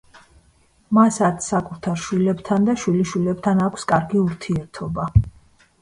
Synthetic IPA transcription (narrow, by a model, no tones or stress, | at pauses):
masat̪ʰsakʼut̪ʰaɾʃwilɛbt̪ʰand̪aʃwiliʃwilɛbt̪ʰanakʷʰskʼaɾɡiuɾt̪ʰiɛɾt̪ʰɔba